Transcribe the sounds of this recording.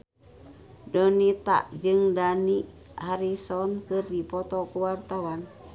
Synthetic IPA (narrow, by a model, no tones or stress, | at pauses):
dɔnit̪a̰ʔd͡ʒɨŋdani | haɾisɔnkɨrdipɔt̪ɔkuwart̪awan